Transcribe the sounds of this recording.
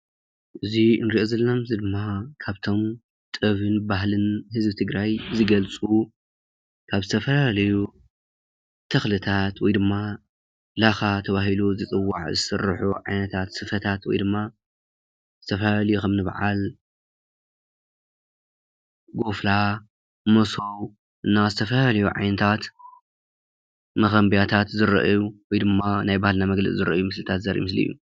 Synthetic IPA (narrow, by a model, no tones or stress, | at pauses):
ʔɨziɨnɾiʔozɐlːamzid̪ɨmːakʰaβt̪ʰo̞m | t̪ʼɨβɨnbaɦlɨnhɨzbɨt̪ʰɨɡɾajzɨɡɐlt͡sʼu | tkʰaβzɨt̪ʰɐfɐlalɐju | t̪ʰɐxlɨt̪ʰat̪wɔjd̪ɨmːa | laxat̪ʰɐβahiluzɨt͡sʼɨwːa̰ʕzɨsɨ̰rːħuʕajnɐt̪ʰat̪sɨfɐt̪ʰat̪wɔ̰jd̪ɨmːa | zɨt̪ʰɐfɐhɐljukɐmnɨβʕa̰l | ɡo̞fla | moso̞w | ʔɨnːazɨt̪ʰɐfɐhlɐjuʕa̰jnɐt̪ʰat̪ | mɐxɐmbijat̪ʰat̪zɨɾɐ̰ʔjuwɔjd̪ɨmːanajbahalnamɐɡlɐ̰t͡sʼzɨɾɐ̰ʔjumɨslɨt̪ʰat̪zɐɾʔḭmɨslḭjːṵ